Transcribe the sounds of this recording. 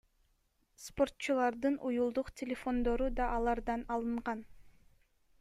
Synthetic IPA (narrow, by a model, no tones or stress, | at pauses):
spo̞rt̪t͡ʃulˠɑɾd̪ɯnʔujulˠd̪uqtʲʰɪlʲefo̞nd̪o̞ɾud̪ɑʔɑlˠɑɾd̪ɑnɑlˠɯɴʁɑn